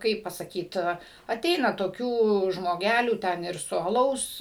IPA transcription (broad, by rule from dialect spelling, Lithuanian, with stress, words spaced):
ˈkɐɪp pɐsɐˈkʲiːt ɐˈtʲɛɪnɐ toːˈkʲuː ʒmoːˈɡʲælʲuː ˈtʲɛn ɪr sʊ ɐˈlˠɐʊs